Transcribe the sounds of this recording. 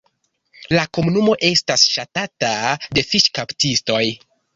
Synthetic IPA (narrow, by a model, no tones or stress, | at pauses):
lako̞munumo̞ʔe̞stasʃatatade̞fiʃkaptisto̞j